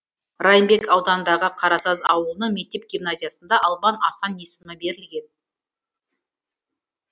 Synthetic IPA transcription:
rɑjmbe̞kɑwd̪ɑnnd̪ɑʁəqʰɑɾɑsɑzɑwəlˠnəɴmʲe̞k̚t̪ːe̞p̚ɡʲimnazʲijasənd̪ɑʔɑlˠbɑnɑsɑne̞sɪmɪbe̞ɾɪlɡʲe̞n

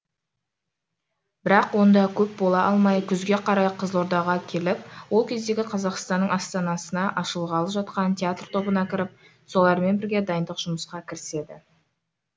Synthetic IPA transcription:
b̥ɪɾɑqwo̞nd̪ɑkʲʰɵp̚bo̞lˠɑʔɑlˠmɑjkʲʰʏzɡʲe̞qʰɑɾɑjqʰəzlˠoɾd̪ɑʁɑkʲʰe̞lɪpwo̞lˠkʲʰe̞zd̪e̞ɡʲɪqʰɑzɑqst̪ɑnːəɴɑst̪ɑnɑsənɑʔɑʃəlˠʁɑlˠəpʒɑt̪̚qɑnt̪ʲʰeat̪rt̪ʰo̞bənɑkʲɪɾɪp̚ | so̞lˠɑɾme̞nbɪɾɡʲe̞d̪ɑjənd̪əqʒ̥ʊməsqɑkʲʰɪɾɪse̞d̪ɪ̰

